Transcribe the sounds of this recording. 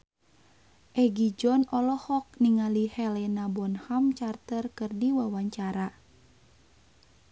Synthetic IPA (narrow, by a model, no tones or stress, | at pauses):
ʔɛɡid͡ʒɔnɔlɔhɔk̚niŋalihɛlɛnabɔnhamt͡ʃart̪ərkɨrdiwawaɲt͡ʃaɾa